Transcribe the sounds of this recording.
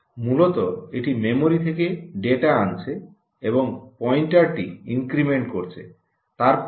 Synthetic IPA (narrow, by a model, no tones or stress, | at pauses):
mulot̪oeʈimemoɾit̪ʰekeɖeʈaant͡ɕʰe | eboŋpɔjɳʈaɾʈiḭŋkɾimeɳʈkoɾt͡ɕʰḛ | t̪aɾp